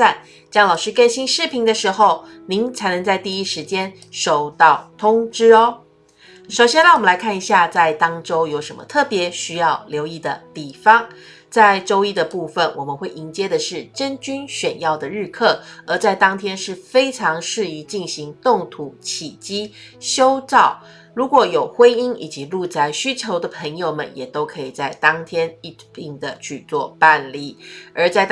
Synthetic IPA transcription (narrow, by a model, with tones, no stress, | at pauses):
a˥˩n | t͡ɕjɑ˥ŋlɑ˨ʊʂɻ̩˥kə˥˧nɕi˥nʂɻ̩˥˩pʰi˧˥ŋd̪ə˧ʂɻ̩˧˥xo˥˩ʊ | ni˧˥ŋt͡sʰa˧ɪnɤ˧ŋt͡sa˥˧ɪt̪i˥˩i˦˥ʂɻ̩˧˥t͡ɕjɛ˥n | ʂo˨˩ʊt̪ɑ˥˩ʊt̪ʰʊ˥ŋʈ͡ʂɻ̩˥ɔ˦ | ʂo˨˩ʊɕjɛ˥nla˥˩wm˦la˧˥ɪkʰa˥˩ni˧˥ɕja˥˧t͡sa˥˩ɪt̪ɑ˥ŋʈ͡ʂo˥ʊjo˧˥ʊʂə˧˥nmə̰˧t̪ʰɤ˥˩pjɛ˧˥˦ɕy˥jɑ˥˩ʊljo˧˥ʊi˥˩d̪ə˩t̪i˨˩fɑ˥ŋ | t͡sa˥˩ɪʈ͡ʂo˥ʊi˥d̪ə˨pu˥˩fə˨˩nwɔ˨˩mə˨˦nxwe˥˩ɪi˧˥nt͡ɕjɛ˥d̪ə˨ʂɻ̩˥˩ʈ͡ʂə˥nt͡ɕy˥nɕɥɛ˨˩njɑ˥˩ʊd̪ə˩ɻɻ̩˥˧kʰɤ˥˩ə˞˧˥t͡sa˥˩ɪt̪ɑ˥ŋt̪ʰjɛ˥nʂɻ̩˥˩fe˥ɪʈ͡ʂʰɑ˧˥ŋʂɻ̩˥˩i˧˥t͡ɕi˥˩nɕi˧˥ŋt̪ʊ˥˩ŋt̪ʰu˧˥t͡ɕʰi˨˩t͡ɕi˥ɕjo˥ʊʈ͡ʂɑ˥˩ʊ | ɻu˧˥kwɔ˨˩jo˨˩ʊxwe˥ni˥ni˨˩t͡ɕi˧˥lu˥˧t͡sa˥˧ɪɕy˥t͡ɕʰjo˧˥ʊd̪ə˨pʰə˧˥ŋjo˨ʊmə̰˨njɛ˨˩t̪o˥ʊkʰɤ˧˥i˨˩t͡sa˥˩ɪt̪ɑ˥ŋt̪ʰjɛ˥ni˥˧t̪i˥˩ŋd̪ə˩t͡ɕʰy˥˧t͡swɔ˥˧pa˥˧nli˥˩ə˞˧˥t͡sa˥˩ɪ